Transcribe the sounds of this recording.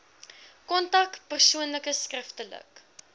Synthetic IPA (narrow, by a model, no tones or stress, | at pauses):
kɔntɐk̚pərsuənləkəskrəftələ̰k